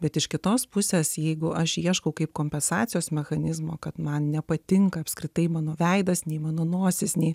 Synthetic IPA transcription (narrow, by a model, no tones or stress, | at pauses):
bʲɛt̪ɪʃkʲɪt̪oːspʊsʲeːsjɛɪɡʊʔɐʃiɛʃkɐʊkɐɪpkoːmʲpʲɛnsɑːt͡sʲɪjoːsmʲɛxɐnʲɪzmoːkɐt̪mɐnnʲɛpɐt̪ʲɪŋkɐːpʲskɾʲɪt̪ɐɪmɑːnoːʋʲɛɪd̪ɐsnʲɛɪmɑːnoːnuɔsʲɪsnʲɛɪ